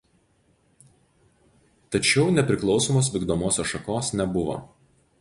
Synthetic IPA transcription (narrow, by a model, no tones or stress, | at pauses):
t̪ɐt͡ʃʲɛʊnʲɛpʲɾʲɪklˠɒʊsoːmoːsʋʲiːɡd̪oːmoːsʲoːsʃɐkoːsnʲɛbʊʋo̰ː